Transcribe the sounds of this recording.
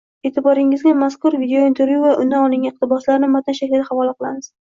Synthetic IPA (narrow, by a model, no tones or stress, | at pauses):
e̞t̪ʰɪbɒɾɪŋɪzɡʲamaskʊɾvid̪eoint̪ʰeɾvjuvaʔʊnd̪anɒlˠɪŋʲaɪq̚t̪ɪbɒslaɾɪnɪmat̪anʃakʲlɪd̪aχavɒlˠaqɨlˠamɪz̥